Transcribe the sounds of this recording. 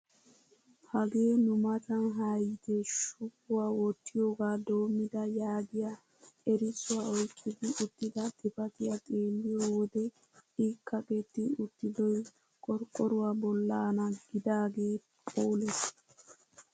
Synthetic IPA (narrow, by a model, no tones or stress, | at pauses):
hɐɡeːnʊmɐt̪ɐnɦɐjd̪ɛʃʊpːʊwawɔt̪ːɪjoːɡaːd̪oːmːɪd̪ɐjaːɡɪjɐ | ɛɾɪsʊwaɔjkʼːɪd̪ɪʔʊt̪ːɪd̪ɐt̪ʼɪfɐt̪ɪjɐt̪ʼeːlːɪjoːwɔd̪ɛ | iːkːɐkʼɛt̪ːɪʊt̪ːɪd̪ɔj | kʼɔɾkʼːɔɾʊwɐbɔlːaːnɐɡ̥ɪd̪aːɡeː | pʼoːlɛs